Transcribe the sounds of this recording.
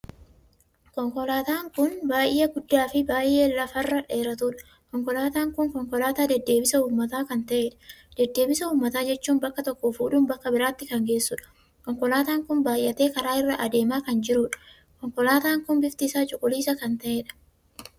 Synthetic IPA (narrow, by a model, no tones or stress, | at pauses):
kɔŋkɔlaːt̪aːŋkʊnbaːjʔɪɐɡʊd̪ːaːfɪbaːjʔe̞ːlɐfɐrːɐᶑeːɾɐt̪uːᶑɐ̥ | kɔŋkɔlaːt̪aːŋkʊŋkɔŋkɔlaːt̪aːd̪ɛd̪ːe̞ːbɪsɐhuːmːɐt̪aːkɐnt̪ɐʔe̞ːᶑɐ̥d̪̥ɛd̪ːe̞ːbɪsɐhuːmːɐt̪aːd͡ʒɛt͡ʃːuːnbɐkːɐt̪ɔkːoːfuːᶑuːmbɐkːɐbɪɾaːt̪ːɪkɐŋɡe̞ːsːuːᶑɐ̥ | kɔŋkɔlaːt̪aːŋkʊnbaːjːɐt̪e̞ːkɐɾaːɪrːɐʔɐd̪e̞ːmaːkɐnd͡ʒɪɾuːᶑɐ̥ | kɔŋkɔlaːt̪aːŋkʊnbɪft̪isaːt͡ʃʼʊkʼːʊliːsɐkɐnt̪ɐʔe̞ːᶑɐ̥